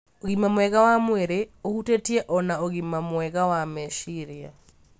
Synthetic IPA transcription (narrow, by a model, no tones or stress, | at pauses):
oɣimamwɛɣawamweɾeohutetiɛʔɔnaoɣimamwɛɣawamɛʃiɾia̰